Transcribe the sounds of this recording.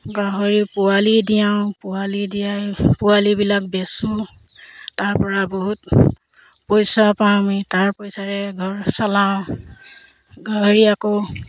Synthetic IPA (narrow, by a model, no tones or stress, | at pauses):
ɡaɦoɹipʊalidijãʊ̃pʊalidijapʊwalibilak̚bɛsʊ̃ | taɹpɔɹaboɦut | pɔjsapamitaɹpɔjsaɹɛɡʱɔɹsalãʊ̃ | ɡaɦoɹiako